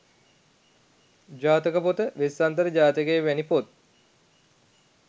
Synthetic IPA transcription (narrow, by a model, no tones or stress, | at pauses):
d͡ʒaːt̪əkəpot̪əʋesːant̪əɾəd͡ʒaːt̪əkeːʋænipot̪̚